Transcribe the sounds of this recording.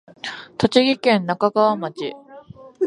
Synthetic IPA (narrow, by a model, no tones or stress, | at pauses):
t̪o̞t͡ɕiɡʲikẽ̞nːakaɡaβamat͡ɕḭ